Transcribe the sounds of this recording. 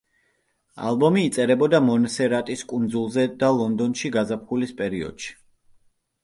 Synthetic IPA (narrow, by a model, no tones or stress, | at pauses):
a̰lˠbɔmiːt̪sʼɛɾɛbɔd̪amɔnsɛɾat̪ʼiskʼund̪zulˠzɛd̪alˠɔnd̪ɔnʃiɡazap̚ʰχulispʼɛɾiɔ̰d̪̥ʃi̥